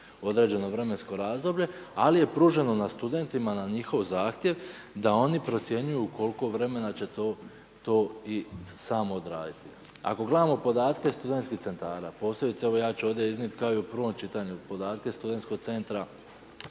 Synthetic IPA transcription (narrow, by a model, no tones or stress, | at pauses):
o̞d̪ɾe̞ːd͡ʑe̞no̞ʋɾe̞me̞nsko̞ɾaːzd̪o̞bʎe̞alije̞pɾuʒe̞no̞nast̪ud̪e̞nt̪imanaɲixo̞ʋzaːxt̪je̞ʋ | d̪ao̞nipɾo̞t̪sje̞ɲujuko̞lˠko̞ʋɾe̞me̞nat͡ɕe̞t̪o | t̪o̞ːisaːmoːd̪ɾa̰ːd̪it̪i | a̰ko̞ɡled̪amo̞po̞d̪aːt̪kest̪ud̪e̞nt̪skiht̪se̞nt̪aːɾapo̞ːse̞bit̪seeʋo̞jaːt͡ɕuo̞d̪jeiznit̪kaojupɾʋo̞mt͡ʃit̪aɲupo̞d̪aːt̪̚ke̞st̪ud̪e̞nt̪ko̞ɡ̚t̪se̞nt̪ɾa